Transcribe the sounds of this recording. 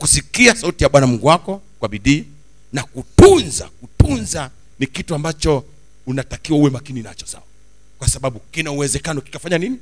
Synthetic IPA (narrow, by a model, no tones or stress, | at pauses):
kusikiasautijaɓwanamuŋɡuwakɔ | kwaɓiɗiː | nakutunza̰kutunza | nikituambat͡ʃɔ | unatakiwauwɛmakinina̰t͡ʃɔ̥sa̰wa | kwasaɓaɓukinauwɛzɛkanɔki̥kafaɲanini